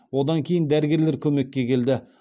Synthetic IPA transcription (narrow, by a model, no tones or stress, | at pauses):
wo̞d̪ɑŋkʲʰe̞jɪnd̪æɾɪɡʲe̞ɾleɾkʲʰɵme̞kʲːe̞kʲʰe̞ld̪ɪ